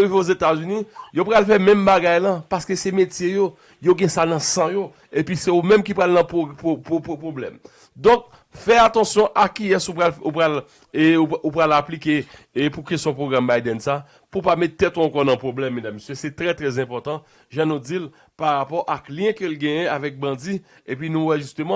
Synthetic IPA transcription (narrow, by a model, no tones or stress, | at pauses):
iveozet̪azynijopʁalfɛmɛ̃mbaɡajlɐ̃paskesɛmetjejo | joɡɛ̃sanɐ̃sɑ̃jo | episeumɛ̃mkipʁalnɐ̃popopopopʁoblɛ̰m | d̪ɔ̃k̚ | fɛat̪ɑ̃sjɔ̃ʔakiɛsup̬alupʁal | uupʁalaplike | pukestjɔ̃pʁoɡʁambajd̪ɛnsa | pupamɛt̪ːɛt̪oɑ̃kɔnɐ̃pʁoblɛmːɛ̃d̪amːesjøsɛt̪ʁɛt̪ʁɛzɛ̃pɔt̪ɑ̃ | ʒãnũd͡zil | paʁapɔʔakljɛ̃kølɡɛ̃jɛ̃avɛk̚bɐ̃d͡ziepɥinũwɛʒyst̪ømɑ̃